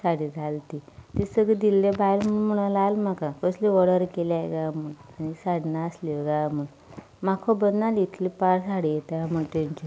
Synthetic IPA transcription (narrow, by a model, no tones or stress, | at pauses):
saɽid͡zalt̪it̪isəɡid̪ilːebajlm̤əunm̤əɽ̃alalm̤akakəsliʋɔɽəɾkeljaɡam̤uɳanisaɽnaəsloɡajmuɳ | makʰobənːalit̪ʰlipaɽsaɽijet̪aam̤əɳt̪eɲt͡ɕi